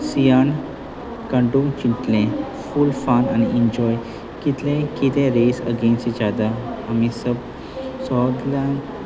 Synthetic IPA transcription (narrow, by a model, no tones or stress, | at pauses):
sijaɳ | kãɳɖuŋt͡ɕiɳʈ̪lẽ | fulfananiʔiɲd͡ʑɔj | kit̪lẽkit̪ẽɾesə̰ɡẽnsid͡ʑad̪aamisəb | sɔd̪lã